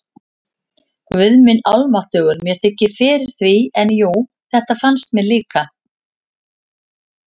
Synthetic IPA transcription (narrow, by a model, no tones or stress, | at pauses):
kvʏðmɪnawlmaht̪œːɣʏɾmjɛɾ̥θɪcːɪɾ̥fɪːɾɪɾ̥θviɛnjuw | θɛht̪afanst̪̚mɛliːka